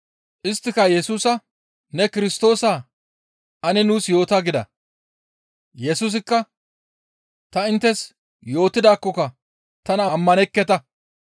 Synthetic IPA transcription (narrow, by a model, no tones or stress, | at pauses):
ʔɪst̪ːɪkɐjɛsuːsɐ | nɛkɪɾɪst̪o̞ːsaː | ʔɐnɛnuːsjo̞ːt̪aɡɪd̪ɐ̰ | jɛsuːs̬ɪkːɐ | t̪ɐɪnt̪ːɛs | jo̞ːt̪ːɪd̪aːkːɔkɐ | t̪ɐnɐmːɐnɛkːɛt̪ɐ